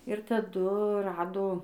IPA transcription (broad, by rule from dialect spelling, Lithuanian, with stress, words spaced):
ɪr tɐˈdʊ ˈrɑːdoː